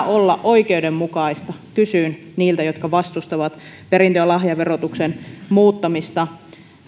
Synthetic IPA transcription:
olːɑʔʔoikeudemmukɑist̪ɑkysyːn | niːlt̪æjot̪kɑʋɑst̪ust̪ɑʋɑt̪ | peɾint̪ølɑhjɑʋerot̪uksenmuːt̪ːɑmist̪ɑ

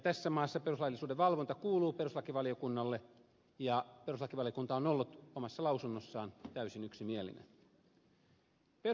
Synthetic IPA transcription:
jt̪æsːæmɑːsːɑperuslɑjlːisuːdeʋʋɑlʋont̪ɑkuːluːperuslɑkiʋɑliokunːɑlːe | jɑperuslɑkiʋɑlijokunt̪ɑonolːut̪omɑsːɑlɑusunːosːɑːnt̪æysinyksimielḭnḛn | pe

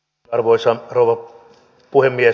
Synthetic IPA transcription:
ɑrʋoisɑrouwʋɑ | puhemːie

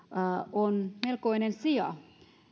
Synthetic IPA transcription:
onmelkoinensiɑ̰

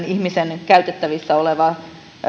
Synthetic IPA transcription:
nihmisenkæyt̪et̪ːæʋisːæoleʋɑ

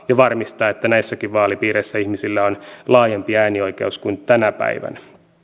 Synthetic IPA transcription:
jɑʋɑrmist̪ɑːet̪ːænæisːækiʋʋɑːlipiːɾeisːæihmisilːæonlɑːjempiæːnioike̞̰uskunt̪ænæpæ̰iʋæ̰næ

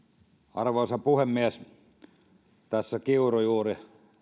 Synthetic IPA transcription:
ɑrʋoːsɑpuhemːiæs | t̪æsːækiurojuːri

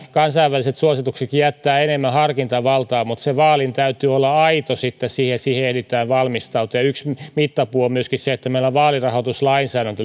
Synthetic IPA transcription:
kɑnsɑiʋːæliset̪suosit̪ukset̪kijæt̪ːæːenemːæhɑrkint̪ɑʋɑlt̪ɑːmut̪seʋɑːlint̪æyt̪yolːɑɑit̪osit̪ːesiːhesiːheehlit̪æːʋʋɑlmist̪ɑut̪ojɑyksmit̪ːɑpuoommyøskisseet̪ːæmeilːoʋʋɑːlirɑhot̪uslɑinsæːɾænt̪y

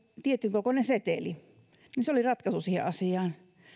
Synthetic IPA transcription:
t̪iet̪ːyŋkokonenset̪eli | ninseolirɑt̪kɑsusiːhḛʔʔɑsiɑːn

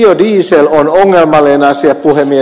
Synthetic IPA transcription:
odiːselonoŋːelmɑlenɑsiɑppuhemːie

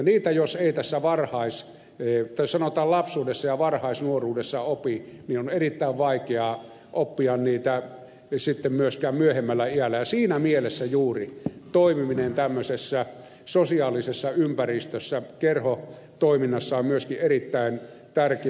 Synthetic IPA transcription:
ɑniːt̪æjoseit̪æsːæʋɑrhɑˑis | t̪æsɑnot̪ɑːlɑpsuːdesːɑjɑʋɑrhɑˑisnuoruːdesːɑopinionerit̪ːæˑiʋʋɑˑikeɑ | ʔopːiɑnniːt̪æ | sit̪ːemmyøskæːmmyøhemːælːæiælːæjɑsiːnæmielesːæjuːrit̪oˑimiminent̪æmːøsesːæ | sosiɑːlisesːɑympærist̪øsːækerho | t̪oˑiminːɑsːɑommyøskiʔerit̪ːæˑin | t̪ærke

